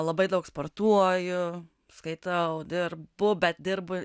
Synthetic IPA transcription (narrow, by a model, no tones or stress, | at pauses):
lˠɐbɐɪd̪ɐʊksport̪uɔjʊ | skɐɪt̪ɐʊd̪ʲɪrbʊbʲɛt̪̚dʲɪrbʊ